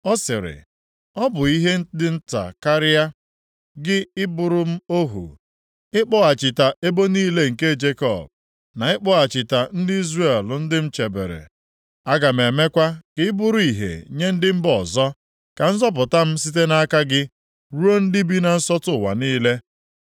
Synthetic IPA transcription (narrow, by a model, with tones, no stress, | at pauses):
ɔ˦sɪ˨ɾɪ̰˨ | ɔ˦bʊ˨i˦ɦe˦dɪ˦n̩˦ta̰˨ka˦ɾɪ˦a˦ | ɡɪ˦ɪ˦bʊ˨ɾʊ˦m̩˦o˦ɦṵ˨ | ɪ˦k͡pɔ˦a˨t͡ʃɪ˨ta˨ʔe˦bo˦niː˦le˦ŋ̩˨ke˦˨d͡ʒe˦kɔ˦˨b̚ | na˨ɪ˦k͡pɔ˦a˨t͡ʃɪ˨ta˨n̩˦dɪ˦i˦zre˦˨llʊ˨n̩˦dɪ˦m̩˦t͡ʃe˨bḛ˨ɾḛ˨ | a˦ɡa˨m̩e˨me˦kʷa˦kɪ˦ɪ˦bʊ˦ɾʊ˦i˨ɦḛ˨ɲe˦n̩˦dɪ˦m̩˦bɔ˨zɔ˦ | ka˨n̩˦zɔ˦p̬ʊ˨ta˦m̩˦s̬i˦t̬e˦na˦ka˦ɡɪ˦ | ɾu˦o˦n̩˦dɪ˦bi˦na˨n̩˦sɔ˦tʊ˦˨wa̰˨niː˦le˦